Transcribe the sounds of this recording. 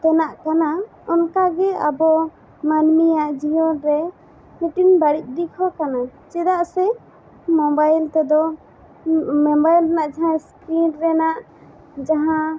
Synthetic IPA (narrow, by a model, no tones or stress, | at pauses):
t̪ɛnaʔkana | ɔnkaɡɛa̰bɔ | manmijaʔd͡ʒijɔnɾɛ | miʈinbaɽic̚d̪ikʰɔkanat͡ʃɛd̪aʔsɛ | mɔbajlt̪ɛd̪ɔ | ɔbajlɾɛnaʔd͡ʒaɦãskɾinɾɛnaʔ | d͡ʒaɦã